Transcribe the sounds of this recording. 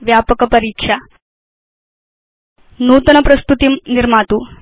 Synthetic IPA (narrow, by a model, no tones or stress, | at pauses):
ʋjaːpɐkɐpɐɾiːkʂa | nuːt̪ɐnɐpɾɐst̪ut̪imniɾmaːt̪uː